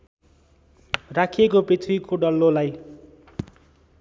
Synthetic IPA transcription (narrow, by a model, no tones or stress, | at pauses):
rakʰiekopet̪ʰuikʰoɖʌlːolaj